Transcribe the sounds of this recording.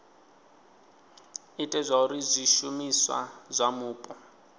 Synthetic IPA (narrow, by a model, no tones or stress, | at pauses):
itʼɛzʷauɾizʷiʃumiswa̰zʷamuːpʼɔ